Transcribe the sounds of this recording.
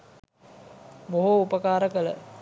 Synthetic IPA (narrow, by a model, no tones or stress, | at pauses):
boɦuupəkaːɾəkələ̰